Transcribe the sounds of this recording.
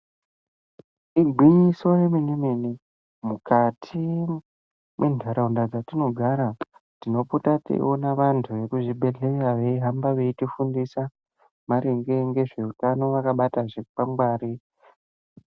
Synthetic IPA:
iɡʱiɲiso̞reminimini | mukatʰi | mwendʱaɾaundad͡zatino̞ɡʱaɾa | tino̞putatḭʔonaʋantʰuʋe̞kuʐibʱe̞ɮe̞raʋe̞iɦambaʋe̞itifundisa | maɾeŋɡe̞ŋɡe̞ʐe̞utano̞ʋakaɓataʐepamɡwaːɾi

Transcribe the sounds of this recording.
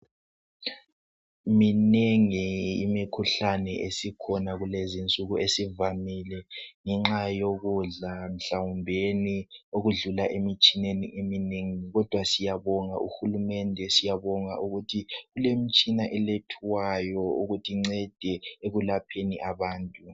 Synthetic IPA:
mineŋiimikʰuɬanɛʔesikʰɔnaɣulezint͡sʼuɣuesivamilɛŋɛŋ͡ǁajoɣuɮam̩ɬawumbʱenioɣuɮulaʔemit͡ʃʼinenḭʔemineŋiɣɔd̥ʱwasijaβɔŋa̰ʔṵxulumɛndʱɛsijaβɔŋa̰ʔuɣutʰiɣulemit͡ʃʼinaʔɛletʰuwajɔuɣutʰiŋ͡ǀɛd̥ʱɛeɣulapʰeniʔaβaːntʼu

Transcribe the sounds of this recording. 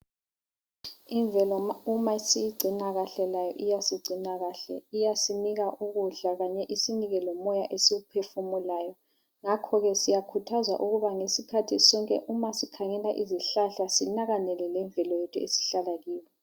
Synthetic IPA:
iɱvɛlɔaumasijiɡ͡ǀʱinaɣaɬɛlajɔ̰ʔijasiɡ͡ǀʱinaɣaɬɛ̰ijasiniɣaʔuɣuɮaɣaɲɛʔisiniɣɛlɔmɔjaʔesiɣupʰefumulaːjɔ | ŋakʰɔɣɛsijakʰutʰazwa̰ʔuɣuβaŋesikʰatʰisɔŋkʼɛ̰ʔumasikʰaŋɛlaʔiziɬaɬasinaɣanɛlɛlɛɱvʱɛlɔjɛtʰuḛsi̥ɬalaɣiːwɛ

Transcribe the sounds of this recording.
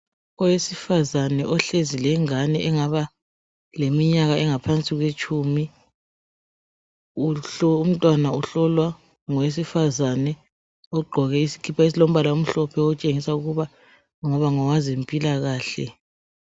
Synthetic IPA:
ɔwesifazanɛʔɔɬezilɛŋanɛʔɛŋaβa | lemiɲaɣaɛŋapʰant͡sʼiɣwet͡ʃʼumi | uɔum̩tʼwanauɬɔlwa | ŋɔwes̬ifazanɛ | ɔɡ͡ǃʱɔɣɛisi̥kʰipʰais̬ilom̩βalaum̩ɬɔpʰɛɔt͡ʃʼeŋisauɣuβa | ŋɔβaŋɔwazempʼilaɣaːɬɛ̰

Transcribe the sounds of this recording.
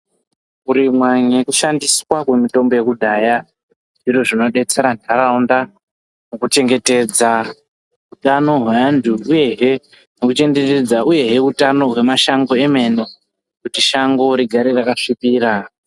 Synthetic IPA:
uɾimwaɲekuʃandiswakwe̞mito̞mbo̞je̞kudʱaja | ʐiroʐino̞ɗe̞t͡se̞ɾandʱaɾaunda | mukut͡ʃe̞ŋɡe̞te̞d͡za | utano̞ɦweandʱuuje̞ɦe | nokut͡ʃe̞ŋde̞te̞d͡zaʔuje̞ɦe̞utano̞ɦwe̞maʃaŋɡo̞e̞me̞no | kutiʃaŋɡo̞ɾiɡʱaɾirakaʂipiːɾa

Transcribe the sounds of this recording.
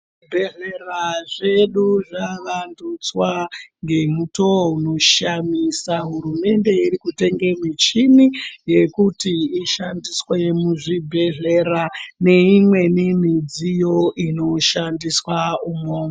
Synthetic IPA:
ʐibʱe̞ɮeraʐe̞ɗuʐaʋandut͡swaŋɡe̞muto̞uno̞ʃamisaɦuɾume̞nde̞iɾikute̞ŋɡemit͡ʃinije̞kutiiʃandiswe̞muʐibʱe̞ɮe̞ɾane̞imwe̞nemid͡zijo̞ʔino̞ʃandiswaumoːŋa

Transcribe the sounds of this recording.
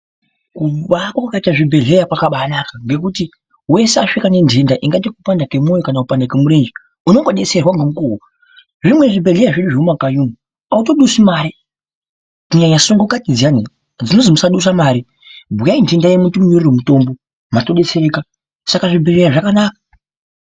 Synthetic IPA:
kuɓakwakwakaitaʐibʱe̞ɮe̞jakwakaɓaːnakaŋɡe̞kuti | we̞se̞aʂikane̞ndʱe̞ndaʔiŋɡat̬ikupandake̞mwojokanakupandak̬e̞muɾe̞nd͡ʒi | uno̞ŋɡoɗe̞se̞rwaŋɡemukuwo | ʐimwe̞ʐibe̞ɮejaʐeɗuʐeumakaɲumu | auto̞ɗusimaːɾi | kuɲaɲasoŋɡokatid͡zani | d͡zino̞zimusaɗus̬amaːɾi | bʱujaindʱe̞ndajemutumuɲoriromuto̞ːmbo | matoɗe̞seeka | sakaʐibʱe̞ɮe̞jaʐakanaːkḁ

